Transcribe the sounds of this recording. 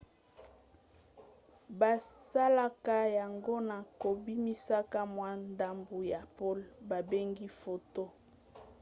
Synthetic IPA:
ba˨sa˦la˦ka˦ja˨ŋɡo˦na˨ko˨bi˦mi˦sa˦ka˦mwa˦nda˦mbu˨ja˨po˦lba˨be˦ŋɡi˦fo˨to˦

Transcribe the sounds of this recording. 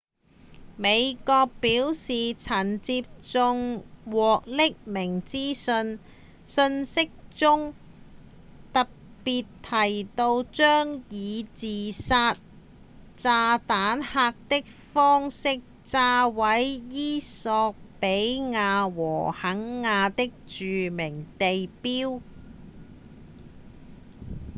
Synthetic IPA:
me˨˧jkɔː˧k̚piː˨˥wsiː˨t͡sʰɐ˨˩nt͡siː˧p̚t͡sʊ˧ŋwɔː˨k̚lɪ˥k̚mɪ˨˩ŋt͡siː˥sɵ˧n | sɵ˧nsɪ˥k̚t͡sʊ˥ŋ | t̪ɐ˨k̚ | piː˨t̪ʰɐ˨˩jt̪o˧wt͡ʃœː˥ŋjiː˨˧t͡siː˨saː˧t̚ | t͡saː˧t̪aː˨˥nhaː˧k̚t̪ɪ˥k̚fɔː˥ŋsɪ˥k̚ | t͡saː˧wɐ˨˥jjiː˥sɔː˧k̚pe˨˥jŋaː˧wɔ̰ː˨˩hɐ˨˥ŋːaː˧t̪ɪ˥k̚t͡ʃyː˨mɪ˨˩ŋt̪e˨jpiː˥w

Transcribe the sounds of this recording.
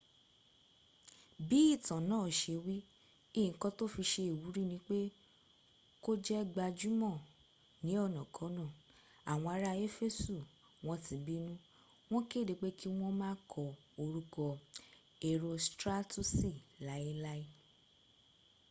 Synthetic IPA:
bi˨˦i˦˨tã˨nãː˨˦˨ʃe˧wi˦ | ĩ˦˨kɔ̃˧to˦fi˧ʃe˧i˨wu˨˦ɾi˦nĩ˨˦k͡pe˦ | ko˦d͡ʒɛ˦ɡ͡ba˧d͡ʒu˦mɔ̃˦˨ | nĩ˨˦ɔ˦˨nã˨kʰɔ̃˨˦nã˦˨ | a˨w̃ɔ̃˧a˧ɾa˦˧e˦fe˦˨su˦˨ | w̃ɔ̃˧tĩ˨˦bi˦nũ˦ | w̃ɔ̃˦ke˦˨de˨˧k͡pe˦ki˦w̃ɔ̃˦mãː˦kʰɔ˨ | o˧ɾu˦kɔ˧ | e˧ɾo˧stɾa˦tu˦si˦˨la˨˦i˦la˦i˦

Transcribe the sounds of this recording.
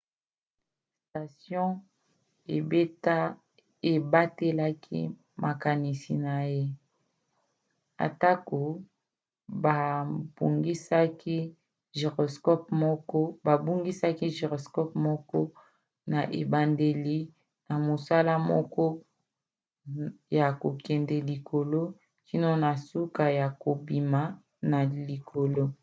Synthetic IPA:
sta˨sjɔ̃˦ | e˨be˦ta˦ | e˨ba˦te˦la˦kʰḭ˦ | mʔa˨ka˨ni˨si˨na˨je˦ | a̰˨ta˦ko˨ | ba˨b̥u˨ŋɡi˦sa˦ki˦ | ʒe˨ʁo˨skɔ˦p̚mɔ˦kɔ˦ba˨bu˦ŋɡi˦sa˦ki˦ʒe˨ʁo˨skɔ˦pmɔ˦kɔ˦ | na˨ʔe˨ba˨nde˨li˦ | na˨mo˨sa˦la˦mɔ̰˦kɔ˦ | ja˨ko˨kɛ˨ndɛ˨li˨kʰo˨lo˦ | ki˦no˦na˨su˦ka˨ja˨ko˨bi˨ma˨ | na˨li˨kʰo˨lo˦

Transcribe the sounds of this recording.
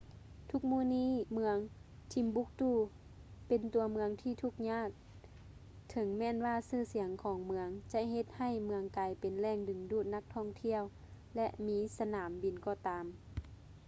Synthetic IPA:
t̪ʰu˧˥k̚muː˧˩˨niː˧˥˨mɯ˧əŋ | t̪ʰi˧˦mbu˧˥k̚t̪uː˧˩ | pe˨nt̪u˨˩˧ɐmɯ˧əŋt̪ʰiː˧˥˩t̪ʰu˧˥˩k̚ɲaː˧˥˨k̚ | t̪ʰɤ˨˦ŋmɛː˧˥˨nwaː˧˩sɯː˧˩si˨˩˦əŋkʰɔː˨˦ŋmɯ˧əŋt͡ɕa˧ɦe˧˦t̪̚ha˧˩jmɯ˧əŋkaː˨˧jpe˨nlɛː˧˩˨ŋdɯ˨˩ŋduː˧˩t̪̚na˧˥k̚t̪ʰɔː˧˩ŋt̪ʰi˧˥˨əw | lɛ˧˥ʔmiː˧˥sa˧naː˨˩˦mbi˨˩nkɔː˧˩t̪aː˨˦m

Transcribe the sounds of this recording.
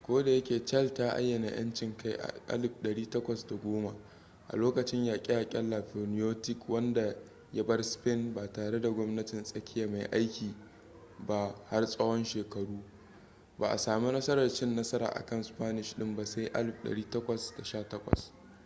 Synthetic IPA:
kʷoː˦da˨jɐ˦kʲeː˨t͡ʃɐ˦ltaː˦ʔa̰˦jːɐ˨na˨j̰ɐ̰˦nt͡ʃɪ˨ŋka˦˨jʔa̰˨ʔa̰˦lɪ˨bɗɐ˨ɽiː˦tɐ˦kʷɐ˨sda˨ɡʷoː˦ma˨ | ʔa̰˨loː˦kɐ˨t͡ʃɪ˦ɲjaː˨kʲʼɪ˦jaː˨kʲʼɐ˦lːa˨ɸo˨nɪ˦joː˦tɪ˦kwɐ˦nda˨ | ja˦bɐ˦rspɪ˦˨nbaː˨taː˨ɽe˦da˨ɡʷɔ˦mnɐ˦tɪ˨nsʼɐ˦kʲɪ˦jaː˨ma˨jʔa˦jkʲiː˨ | ba˦ha˦rsʼɐ˦wɔ˦nʃeː˨kɐ˨ɽuː˦ | ba̰ː˨ʔa̰˨saː˨mu˦nɐ˦sɐ˦ɾɐ˨rt͡ʃɪ˦nːɐ˦sɐ˦ɾa̰ː˨ʔa̰˨kɐ˦nspaː˦nɪ˨ʃɗɪ˦mba˨sa˦jʔa̰˦lɪ˨b̚ɗɐ̰˨ɽiː˦tɐ˦kʷɐ˨sd̥a˨ʃaː˦˨tɐ˦kʷɔ̰˨s

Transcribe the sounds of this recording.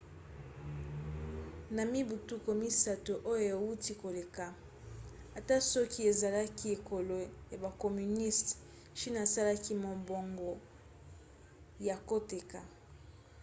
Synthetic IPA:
na˨mi˦bu˨tu˦ko˨mi˦sa˦to˨ʔo˦jo˨ja˨wu˦ti˦ko˨le˨ka˨ | a˨ta˦sɔ˦ki˦e˨za˨la˦ki˦e˨ko˨lo˨ja˨ba˨ko˨my˨ni˦st | ʃi˦na˨sa˦la˦ki˦mo˨mbo˨ŋɡo˨ | ja˨ko˦te˨ka˨

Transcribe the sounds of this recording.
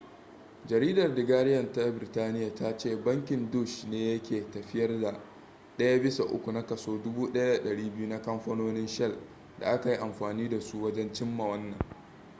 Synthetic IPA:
d͡ʒɐ˨ɾiː˦dɐ˨rdɪ˨ɡaː˦ɽɪ˦jɐ˨nta˦bɪ˨ɾɪ˨taː˦nɪ˦ja˨ta˦t͡ʃeː˦˨bɐ˦ŋkʲɪ˨ndu˦˨ʃneː˦jɐ˦kʲeː˨tɐ˨ɸɪ˦jɐ˦rda˨ | ɗɐ˦ja˦bɪ˦sa˨ʔʊ̰˦kʷu˨na˦kɐ˨soː˦dʊ˦buː˦ɗɐ˦ja˦da˨ɗɐ˨ɽiː˦bɪ˦ju˦na˦kɐ˦mɸɐ˦noː˦nɪ˦nʃɛ˦˨l | da̰˨ʔa˦ka˨ji˦ʔa˨mɸaː˨niː˦da˨su˦wɐ˦d͡ʒɛ˦nt͡ʃɪ˦mːa˨wɐ˦nːɐ̰˨ŋ

